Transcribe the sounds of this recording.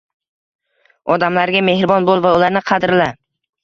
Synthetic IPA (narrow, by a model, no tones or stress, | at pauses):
ɒd̪amlaɾɡʲame̞hɾɪbɒnbolˠvaulaɾnɪqʰɑd̪ɾla